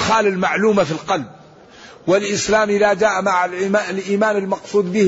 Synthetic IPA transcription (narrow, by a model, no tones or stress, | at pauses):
xaːlɪlmaʕluːmafilqɑlb̚ | wɪlʔɪslaːmɪlad͡ʒaːʔmaʕalalʔiːmaːnɪlmɑqsˤuːd̪ˤbɪ